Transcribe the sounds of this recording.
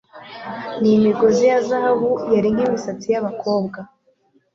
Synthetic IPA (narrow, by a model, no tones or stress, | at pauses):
nimiɡozijazahaβujaɾiŋɡimisat͡sijaβako̞ːbɡa